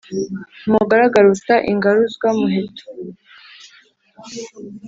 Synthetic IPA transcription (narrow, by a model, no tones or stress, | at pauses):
muɡaɾaɡaɾutaʔiŋɡaɾuzɡwamuɦeto̥